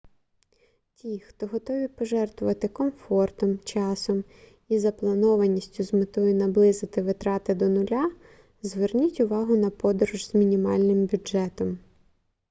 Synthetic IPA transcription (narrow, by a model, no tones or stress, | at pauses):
tʲixt̪ɔɦɔt̪ɔʋʲipɔʒɛrt̪ʋʊʋɐt̪ɪkɔmfɔrt̪ɔmt͡ʃɑsɔm | izɐplˠɐnɔʋɐnʲisʲtʲʊzmɪt̪ɔjʊnɐblˠɪzɪt̪ɪʋɪt̪ɾɑt̪ɪd̪ɔnʊlʲa | zʋernʲitʲʊʋɑɦʊnɐpɔd̪ɔɾʊʒz̥mʲinʲimɑ̰lʲnɪmbʲʊʒɛt̪ɔm